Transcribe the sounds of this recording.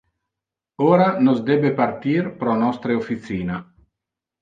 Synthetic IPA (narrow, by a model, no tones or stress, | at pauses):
oːɾanozd̪ɛbepart̪iːrpɾɔnɔst̪ɾeofit̪siːna